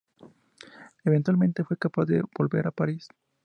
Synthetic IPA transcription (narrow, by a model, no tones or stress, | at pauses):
eβent̪walmẽ̞nt̪e̞fwekapazðḛbo̞lbe̞ɾapaɾis